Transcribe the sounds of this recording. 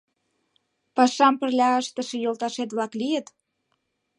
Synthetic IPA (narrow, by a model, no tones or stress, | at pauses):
pɑʃɑmpə̆rlʲɑəʃt̪əʃĕjolt̪ɑʃet̪βlɑklijət̪